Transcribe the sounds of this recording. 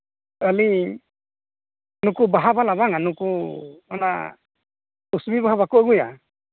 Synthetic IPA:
əli | nukubaɦabalabaŋanukuana̰ | usbibaɦaβakuəɡuja̰

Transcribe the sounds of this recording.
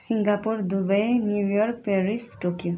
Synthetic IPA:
siŋɡapuɹd̪ubajnjujɔɾk̚peɹisʈokiu

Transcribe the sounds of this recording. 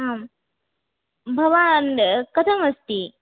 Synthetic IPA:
am | bʱɐʋankɐt̪ʰɐmɐst̪i

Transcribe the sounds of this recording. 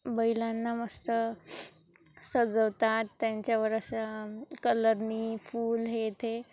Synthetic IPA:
bəilanːaməst̪ə | səd͡zəwt̪at̪ːjaɲt͡ɕjaʋəɾəsakələɾnifuːlɦet̪e

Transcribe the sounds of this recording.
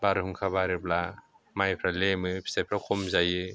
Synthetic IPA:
baɾɯɦɯŋkʰabaɾɯbla | majpʰɾalemɯpʰi̥sajpʰɾakʰɔmzajɯ

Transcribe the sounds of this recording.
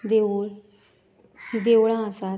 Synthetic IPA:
d̪eɭ | d̪eʋɭãsa

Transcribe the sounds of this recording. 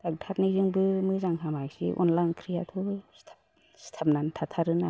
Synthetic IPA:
d̥ak̚tʰat̚nizɯŋbɯmɯzaŋhʰamajsḭʔɔ̰nlajnkʰɾijatʰɔstʰ | stʰap̚nantʰatʰaɾɯna

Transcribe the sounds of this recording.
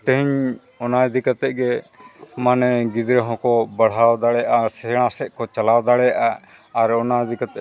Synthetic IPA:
ʈɛɦɲ | ɔnajd̪ikat̪ɛʔɡɛ | manɛɡid̪ɾɛɦɔ̃kɔbaɽ̤awd̪aɽɛjaʔasɛɽ̃ãsɛʔ̚kɔt͡ʃalawd̪aɽɛjaʔaː | ɾɔnajd̪ikat̪ɛ

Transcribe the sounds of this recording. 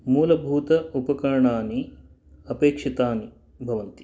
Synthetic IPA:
muːlɐbʱuːt̪ɐupɐkɐɾɐɳaːni | ɐpeːkʂit̪aːni | bʱɐʋɐnt̪i̥

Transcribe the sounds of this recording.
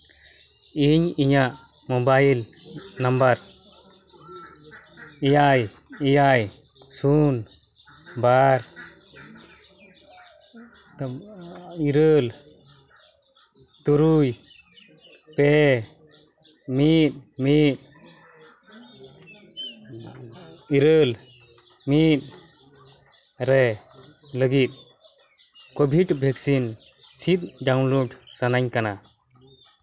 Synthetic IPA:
iɲiɲaʔmɔbailnambaɾ | ijaj | ijaj | sun | baɾ | t̪ | iɾəl | t̪uɾuj | pɛ | mit̪̚mit̪̚ | iɾəl | mit̪̚ | ɾɛ | ləɡit̪̚ | kobʱidbʱɛk̚sinsit̪̚daw̃nluɖsanaɲkana

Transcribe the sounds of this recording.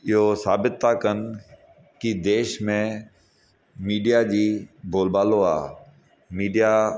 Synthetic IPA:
ɪɦosaːbɪt̪ːakən | kid̪eːʃmẽ | miːɖijad͡ʑiːbʱoːlbaːloa̰ː | miːɖija

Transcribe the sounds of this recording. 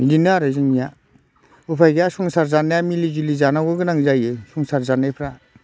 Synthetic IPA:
id͡ʒinɯaɾɯzɯŋnija | upʰajɡjasuŋsaɾzanajamilid͡ʒilizanaɡɯɡɯnaŋzajɯsuŋsaɾzanajpʰɾa

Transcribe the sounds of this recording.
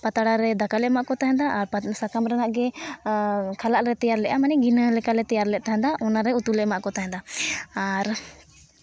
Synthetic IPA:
pat̪aɽaɾɛd̪akalɛʔmaʔkɔt̪aɦɛ̃d̪aʔːɾpsakamɾɛnaʔɡɛ | kʰalaʔɾɛt̪ɛjaɾlɛʔamanɛɡinəlɛkalɛt̪ɛjaɾlɛʔt̪aɦɛ̃d̪aʔɔnaɾɛut̪ulɛʔmaʔkɔt̪aɦɛ̃d̪aaɾ

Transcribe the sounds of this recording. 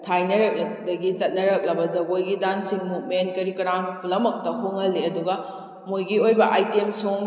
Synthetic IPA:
tʰajnɐɾek̚lɐdɐɡit͡ʃɐt̚nɐɾɐk̚lɐbɐzɐɡojɡidansiŋmut̚menkɐɾikɐɾamplɐmɐk̚tɐhoŋɐlːiɐduɡɐ | mojɡiojbɐʔajtemsoŋ

